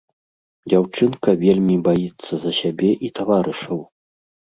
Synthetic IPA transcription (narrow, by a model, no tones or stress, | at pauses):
d͡zʲawt͡ʂɨnkɐvʲelʲmʲibajit̪sːɐzɐsʲabʲɛʔit̪avaɾɨʂɐw